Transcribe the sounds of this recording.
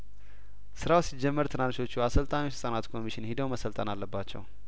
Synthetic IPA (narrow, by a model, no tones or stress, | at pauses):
sɨɾawsid͡ʒɛmːəɾt̪ʰɨnanʃo̞t͡ʃːuasəlt̪ʼamisɨsʼənat̪kʰo̞mːiʃɪnhid̪əwməsəlt̪ʼənalːəbːat͡ʃːɛ̰w